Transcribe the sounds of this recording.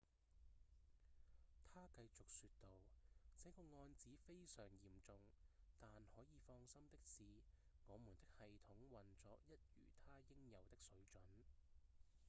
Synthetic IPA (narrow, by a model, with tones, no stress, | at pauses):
t̪ʰaː˥kɐ˧jt͡sʊ˨k̚syː˧t̚t̪o˨wt͡sɛ˨˥kɔː˧ŋɔː˧nt͡siː˨˥fe˥jsœː˨˩ŋjiː˨˩mt͡sʊ˨ŋt̪aː˨nhɔː˨˥jiː˨˧fɔː˧ŋsɐ˥mt̪ɪ˥k̚siː˨ | ŋɔː˨˧muː˨˩nt̪ɪ˥k̚hɐ˨jt̪ʰʊ˨˥ŋwɐ˨nt͡sɔː˨˧k̚jɐ˥t̚jy̰ː˨˩t̪ʰaː˥jɪ˥ŋjɐ˨˧wt̪ɪ˥k̚sɵ˨˥ɥt͡sɵ˨˥n